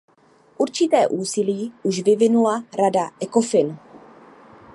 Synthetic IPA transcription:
ʔuɾt͡ʃɪt̪ɛːʔuːsɪliːʔuʃvɪvɪnulaɾadaʔɛko̞fɪn

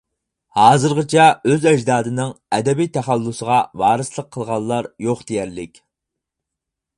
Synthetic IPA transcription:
hɑːzɨɾʁət͡ʃʰɛøzɛd͡ʒd̪ɑːd̪ɨnɪŋɛd̪ɛbijt̪ʰæχælːusəʁɑwɑːɾɨslˠəqʰːəlˠʁɑlˠːɑɾjoχd̪ejæɾlɪkʲ

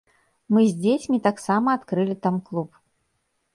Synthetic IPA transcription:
mɨzʲd͡zʲet͡sʲmʲit̪aksamɐːt̪kɾɨlʲit̪amklˠup

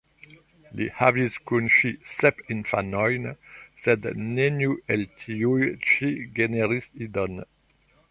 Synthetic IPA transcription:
lḭhavizkunʃisɛpĩnfanɔjnsɛd̪nenjuɛlt̪ʰiujʃiɡeneɾisid̪ɔn

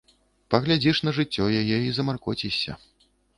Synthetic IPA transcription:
pɐɣlʲad͡zʲiʂn̪ɐʐɨt͡sʲːɔjajɛizɐmarkɔt͡sʲisʲɐ̰

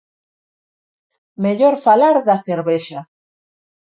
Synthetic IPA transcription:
meʎoɾfalaɾðɐθeɾβeʃɐ

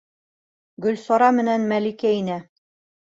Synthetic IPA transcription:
ɡɵ̆lsɑɾɑmɘ̆nænmælikæinæ

